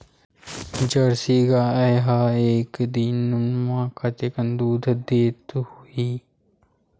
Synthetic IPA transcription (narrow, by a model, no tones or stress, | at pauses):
d͡ʒɐɽsiɡaːɐjɦaeːkd̪inːummãːkʰɐt̪eːkənd̪uːd̪ʱd̪eːt̪uhiː